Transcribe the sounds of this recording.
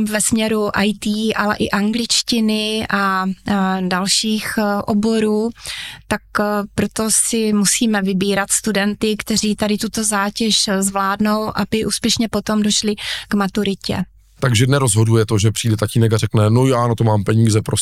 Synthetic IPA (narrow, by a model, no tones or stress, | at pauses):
vɛsmɲɛɾuʔajt̪iːʔalɛ̰ʔɪʔaŋɡlɪt͡ʃcɪnɪʔa | dalʃiːxʔobo̞ɾuːt̪akpɾot̪o̞sɪmusiːmɛvɪbiːɾat̪st̪udɛnt̪ɪkt̪ɛr̝iːt̪adɪt̪ut̪o̞zaːcɛʃzvlaːdno̞wʔabɪʔuːspjɛʃɲɛpo̞t̪o̞mdo̞ʃlɪɡ̥mat̪uɾɪcɛ̰ | t̪aɡʒɛnɛɾozɦodujɛt̪oʒɛpr̝̥iːdɛt̪aciːnɛkarɛknɛnojaːnat̪omaːmpɛɲiːzɛpɾos